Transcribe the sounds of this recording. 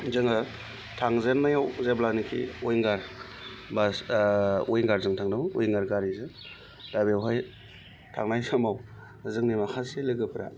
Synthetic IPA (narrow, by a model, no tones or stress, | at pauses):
zɯŋa | tʰaŋzenːajawzeblanikʰḭɔjŋɡaɾ | basojŋɡaɾzɯŋtʰaŋdamojŋɡaɾɡaɾizɯ | dabewɦaj | tʰa̰ŋnajsamaw | zɯŋnimahʰaselɯɡɯpʰɾa̰